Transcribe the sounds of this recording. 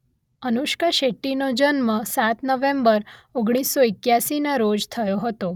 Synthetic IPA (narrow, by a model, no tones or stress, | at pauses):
ənuʃkəʃeʈːinod͡ʒənmãsat̪nəʋẽmbəɾoɡɽ̃isːoɪkjasinaɾod͡ʒt̪ʰəjoɦət̪o